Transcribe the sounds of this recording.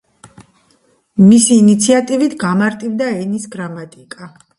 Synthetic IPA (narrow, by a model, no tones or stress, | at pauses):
misiːnit̪sʰiat̪ʼivit̪ʰɡamaɾt̪ʼivd̪aɛnisɡɾamat̪ʼikʼa